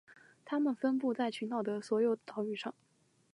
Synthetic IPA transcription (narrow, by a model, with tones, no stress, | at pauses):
t̪ʰa˥mə˨nfə˥npu˥˧t͡sa˥˩ɪt͡ɕʰy˧˥nt̪ɑ˨˩ʊd̪ə˩swɔ˧˥jo˧˩ʊt̪ɑ˨˩ʊy˥˩ʂɑ˥˩ŋ